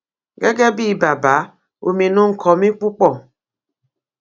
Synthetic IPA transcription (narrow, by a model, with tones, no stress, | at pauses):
ɡe˦ɡe˦bi˦˨ba˨ba˨˦ | o̰˨mi˨nʊ˦ŋ̩˨kʰɔ˨mi˦k͡pu˦k͡pɔ˦˨